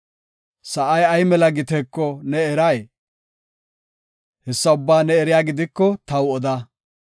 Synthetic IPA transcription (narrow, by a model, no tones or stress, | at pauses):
sɐʔɐjɐjmɛlɐɡɪt̪ɛkːɔnɛːɾɐj | hɛsːɐʊbːaːnɛɛɾɪjaːɡɪd̪ɪkːɔt̪ɐwɔd̪ɐ